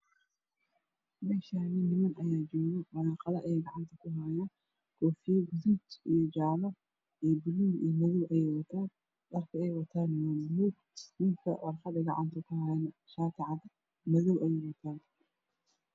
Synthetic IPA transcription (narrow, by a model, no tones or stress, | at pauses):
mɛːʃaːnɪnɪmɐnɐjaːd͡ʒɔːɣɔmɐlaːqɐlɐʔɛjɡɑʕɑnt̪ʰɐkʰʊɦaːjaːn | kʰɔːfijɛɡʊðʊt͡ʃijɔd͡ʒaːlɐ | ʔibʊluːmiːmɐðɔwʔɐjɛjwɐt̪ʰaːn | ɗɐrkʰɐɛjwɐt̪ʰaːnmɐlɦuːɡ | mɪŋkʰɐ̰wɑ̰rfɐd̪ɐɡɑ̰ʕɑ̰nt̪ʰɐkʰʊhaːjnɐ | ʃaːt̪ʰɪʕðɐ | mɐðɔwʔɛjɛjwɐt̪ʰaːn